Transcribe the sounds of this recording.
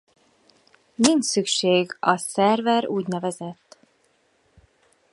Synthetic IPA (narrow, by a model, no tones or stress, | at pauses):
nint͡ʃsykʃeːɡɒsɛrvɛɾuːɟnɛvɛzɛt̪ː